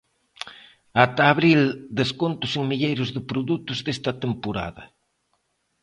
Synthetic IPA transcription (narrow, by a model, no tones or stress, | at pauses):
at̪aːβɾild̪eskont̪ʊseŋmiʎejɾʊzðɪpɾoðut̪ʊzðest̪ɐt̪empoɾa̰ðɐ̰